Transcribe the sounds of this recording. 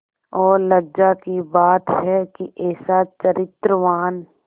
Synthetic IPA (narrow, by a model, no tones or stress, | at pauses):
ɔːɾlɐɡd͡ʒakibaːt̪ɦɛkiʔɛːsat͡ʃəɾɪt̪ɾəʋaːn